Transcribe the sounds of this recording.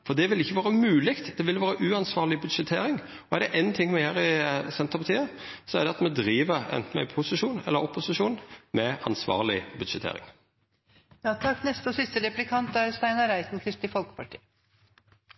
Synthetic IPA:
fɔʁd̪ɛʋɪlɪçːəʋɑːɾəmʉːlɪkt̪d̪ɛʋɪlʋɑːɾəʔʉːɑnsʋɑːʁlɪbʉd̪ʂɛt̪ʰeːɾɪŋ | ɔæʁd̪ɛʔɛɪnt̪ʰɪŋːmɛhæːʁɪsɛnt̪əpɑt̪ʰiːəsɔɛʁd̪ɛɑt̪mɛd̪ɾiːʋəɾɛ̰nt̪n̩ɛ̰pʰʊsɪʃuːnɛ̰lːəɾɔpːʊsɪʃuːnmɛʔɑnsʋɑ̰ːɾlɪ̰bʉd̪ʂɛt̪ʰḛːɾɪ̰ŋ | jɑt̪ʰɑkːnɛst̪əɔsɪst̪əɾɛplɪkʰɑnt̪æɾst̪æɪnɑɾæɪt̪n̩kʰɾɪst̪ɪfɔlkə̥pɑʈʰiːə

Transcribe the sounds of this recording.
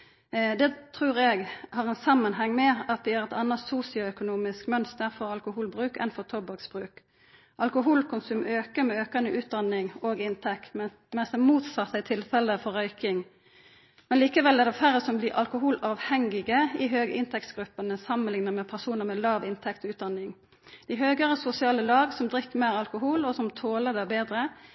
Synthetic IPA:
d̪ɛt̪ʰʁʉːʁɛɡhɑːʁɛnsɑmːənɦɛŋːmɛɑt̪ʋ̪ɪæʁɛt̪ɑnːɑt̪suːsɪʊœkʊnuːmɪskmœnst̪əʁfɔʁɑlkʊhuːlbʁʉːkɛ̰nfɔʁt̪ʰɔbɑksb̥ʁʉːk | ʔɑlkʊɦuːlkʰʊnsʉːmʔøːkəɾmɛøːkɑnəʔʉːt̪̚d̪ɑnːɪŋoːɡɪnt̪ʰɛkt̪ | mɛnsɛmuːt̪sɑt̪ːæt̪ʰɪlfɛləfɔʁœʏkɪŋ | mɛnliːkəʋɛlɛʁd̪ɛfæɾəsɔmbliːʁʔɑ̰lkʊɦuːlɑːʋhɛŋɪɡəɪɦøːɡə̰ʔɪnt̪ʰɛkt̪ɡ̥ɾʉpːənəsɑmːənlɪŋnəʁmɛpʰæʁsuːnəʁmɛlɑːʋɪnt̪ʰɛkt̪ɔʉːt̪d̪ɑnɪŋ | d̪̥ɪɦøːɡəʁəsʊsɪɑːləlɑːɡsɔmd̪ʁɪkːəmeːʁɑlkʊɦuːlɔsɔmt̪ʰoːləd̪æbeːd̪ʁə

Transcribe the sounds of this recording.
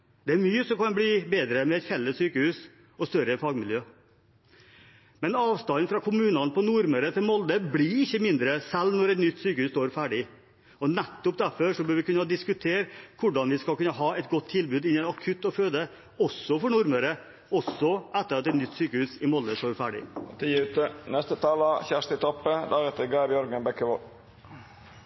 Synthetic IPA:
d̪̥ɛæɾmyːəsɔmkɑnblibeːd̪ɾəmɛɛt̪fɛlːəsyːkəhʉːs | ɔst̪œɾəfɑːɡmɪljøː | mɛnɑːʋst̪ɑnːfɾɑkʰʊmʉːnɑnpʰɔnʊɾməɾət̪ʰɪlmɔld̪əblɪɪçːəmɪnd̪ɾəsɛlːnɔɾɛt̪nʏt̪ːsyːkəhʉːst̪oːɾfæːɖɪ | ɔnæt̪ːʊp̚d̪æfɔʂɔbøːɾʋɪkʉnəd̪ɪskʉt̪ʰeːɾkʰʊɖɑnʋɪskɑlkʉnːəɦɑːɛt̪ɡɔt̪ʰːɪlbʉːd̪ɪnːənɑkʰʉt̪ːɔføːd̪ə | ɔsːɔfɔɳʊɾməɾə | ɔsɔʔɛt̪ːəɾɑt̪ɛt̪nʏt̪ːsyːkəhʉːsɪmɔld̪əst̪oːɾfæːɖɪ̰t̪ʰiʉt̪ənɛst̪ət̪ʰɑːləçæʂt̪ət̪ʰɔpːəd̪æɾɛt̪əɾɡɑbjœɾɡənbɛkːəʋɔl

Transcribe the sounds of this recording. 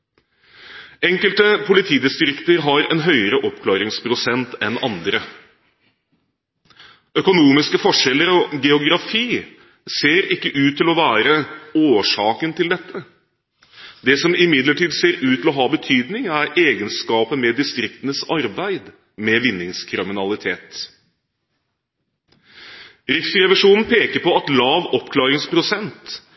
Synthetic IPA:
ɛŋkəlt̪əpʰʊlɪt̪ʰiːd̪ɪst̪ɾɪkt̪əɾɦɑɾɛ̰nɦœʏəɾəʔɔpkʰlɑːɾɪŋspʰɾʊsɛnt̪ɛnɑnd̪ɾə | œkʊnuːmɪskəfɔʂɛlːəɾɔɡɛʊɡɾɑfiː | seːɾɪkːəʔʉːt̪ʰːɪlɔʋæːɾəoːʂɑːkənt̪ʰɪld̪ɛt̪ʰːə | d̪ɛsɔmɪmɪd̪ləʈiːd̪seːɾʉːt̪ʰːɪlɔɦɑːbət̪ʰyːd̪nɪŋæɾeːɡənskɑːpəmɛd̪ɪst̪ɾɪk̚t̪ənəsɑɾbæɪd̪ | mɛʋɪnːɪŋskʰɾɪmɪnɑlɪt̪ʰeːt̪ | ɾɪksɾɛʋɪʂuːnn̩pʰeːkəɾpɔɑt̪lɑːʋɔpkʰlɑːɾɪŋspʰɾʊsɛnt̪

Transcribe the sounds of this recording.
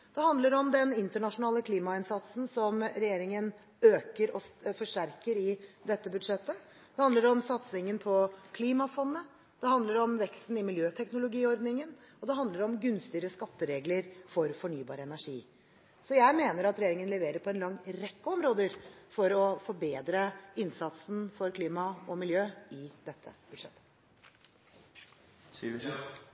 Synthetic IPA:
d̪̥ɛhɑnd̪ləɾɔmd̪ɛnɪnt̪əɳɑʂʊnɑːləkʰliːmɑɪnsɑt̪sn̩sɔmɾɛjeːɾɪŋən | øːkəɾɔfɔʂʈæɾkəɾɪd̪ɛt̪ːəbʉd̪ʂɛt̪ːə | d̪̥ɛhɑnd̪əɖɔmsɑt̪sɪŋənpʰɔkʰliːmɑfɔnːə | d̪̥ɛɦɑnd̪ləɾɔmʋɛkst̪n̩ɪmɪljøːt̪ʰɛknʊlʊɡiːɔɾd̪nɪŋən | ɔd̪ɛɦɑnd̪əɾɔmɡʉnst̪ɪəɾəskɑt̪ːəɾeːɡləɾfɔɾfɔɳyːbɑːɾəɛnæʂḭː | sɔjæɪmeːnəɾɑt̪ɾɛjeːɾɪŋənlɛʋeːɾəɾpʰɔɛnlɑŋːɾɛkːəɔmɾoːd̪əɾfɔɾɔfɔɾbeːd̪ɾəɪnsɑt̪snfɔɾkʰliːmɑɔmɪljøːɪd̪ɛt̪ʰːə̰b̥ʉd̪ʂɛt̪ːə̥

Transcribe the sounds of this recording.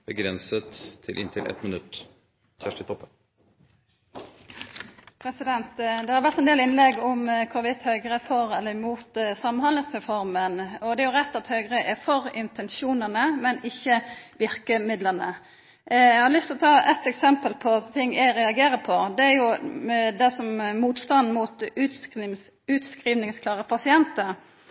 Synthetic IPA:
b̥əɡɾɛnsət̪ʰːɪlʔɪ̰nt̪ʰɪlʔɛ̰t̪mɪnʉt̪ː | çæʂʈət̪ʰɔpːə | pʰɾɛsɪd̪ɛnt̪d̪ɛhɑɾʋæɾt̪ɛnd̪eːlɪnlɛɡɔmkʰʊɾʋɪt̪hœʏɡɾəfɔɾɛlːəɾmuːt̪sɑmənhɑnd̪əsʁɛfɔɾmənɔd̪ɛæjʊʁɛt̪ːɑt̪hœʏɡʁəʔɛfɔɾɪ̰nt̪ɛnʃuːnənəmɛnɪçːəʋɪɾkəmɪd̪lənə | jæɛhɑɾlʏst̪ʰlɔt̪ʰɑːɛt̪ːɛksɛmpəlpʰɔt̪ʰɪŋːʔæɪɾɛɑɡeːɾəpʰɔd̪ɛæɾjʊd̪ɛsɔmmuːt̪st̪ɑnd̪muːt̪ | ʉːt̪skɾiːʋnɪŋskʰlɑːʁəpʰɑsɪɛnt̪əɾ

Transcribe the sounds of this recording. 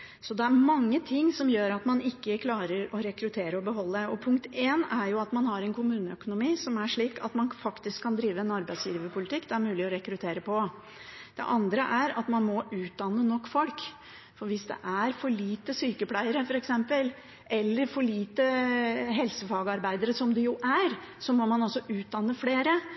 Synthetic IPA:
sɔd̪ɛæɾmɑŋːət̪ʰɪŋːsɔmjøːɾɑt̪mɑnɪkːəkʰlɑːɾəɾɔɾɛkɾʉt̪ʰeːɾəɔbəɦɔlːəd̪ɛɔpʰʊŋk̚t̪ʰeːnæɾjʊɑt̪mɑnhɑɾɛnkʰʊmʉːnəœkʊnʊmiːsɔmæʂɭiːkɑ̰t̪mɑnfɑkt̪ɪskʰːɑnd̪ɾiːʋəɛnɑɾbæɪsjiːʋəpʰʊlɪt̪ʰɪkːd̪ɛæɾmʉːlɪɔɾɛkɾʉt̪ʰeːɾəpʰɔ | d̪̥ɛ̰ʔɑnd̪ɾəʔæɾɑ̰t̪mɑnmɔʔʉːt̪̚d̪ɑnːənɔkːfɔlk | fɔɾʋɪsd̪ɛ̰ʔæɾfɔɭiːt̪əsyːkəpʰlæɪəɾəfɔɾɛksɛmpəl | ʔɛlːəɾfɔɭiːt̪əɦɛlsəfɑːɡəɑɾbæɪd̪əɾəsɔmd̪ɛjʊʔæɾ | sɔmɔmɑnɑsɔʔʉːt̪̚d̪ɑnːəfleːɾə

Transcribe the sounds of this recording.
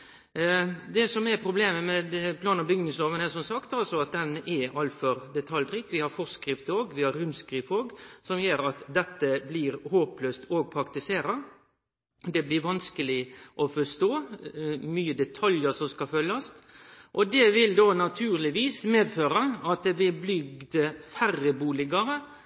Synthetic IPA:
d̪ɛsɔmɛɾpʰɾʊbleːməmɛd̪pʰlɑːnɑbʏɡnɪŋsloːʋənəsɔmsɑkt̪ɑlsɔɑt̪̚d̪ɛnʔɛɑlfɔɾd̪ɛt̪ʰɑld̪ɾɪkːʋɪhɑɾfɔskɾɪft̪əoːɡʋɪhɑɾʉmskɾiːfoːɡsɔmjøːɾɑt̪d̪ɛt̪ːəblɪːɾhoːpløːst̪ʰoːɡ̚pʰɾɑkt̪ɪseːɾɑ | d̪ɛblɪɾʋɑnskəlɪʔɔfɔst̪oː | myːəd̪ɛt̪ʰɑljəɾsɔmskɑfœlːɑsʔɔd̪ɛʋɪld̪oːnɑt̪ʰʉːɾlɪʋiːsmeːd̪føːɾɑɑt̪̚d̪ɛʋɪlblʏɡ̚d̪əfærːəbuːlɪɡɑɾə

